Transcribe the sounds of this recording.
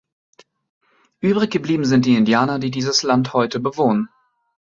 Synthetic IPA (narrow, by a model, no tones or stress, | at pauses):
ʔyːbʁɪçɡ̥əbliːbm̩zɪntd̥iːɪndjaːnɐdiːdiːzəslanthɔʏtəbəvoːnən